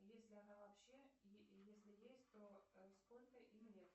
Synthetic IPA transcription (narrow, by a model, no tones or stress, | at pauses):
jesʲlʲɪɐnavɐpɕːejesʲlʲɪjesʲtʲt̪oəsko̞lʲkəʔimnʲet̪